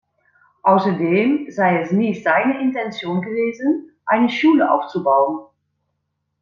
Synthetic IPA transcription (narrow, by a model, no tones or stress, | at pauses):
ʔaʊsɐdeːmzaɪɛsniːzaɪnəʔɪntɛnt͡sjoːnɡəveːzənʔaɪnəʃuːləʔa̰ʊft͡subaʊən